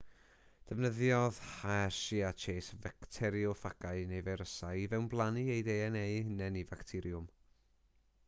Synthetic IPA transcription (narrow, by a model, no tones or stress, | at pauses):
d̥əvnəðjɔð̥haʃiat͡ʃʰeːsvɛktʰɛɾjʊfaɡaɨnejvɛɾəsaivɛwnblˠaniejdejɛnejhɪnɛnivaktʰɪɾjʊm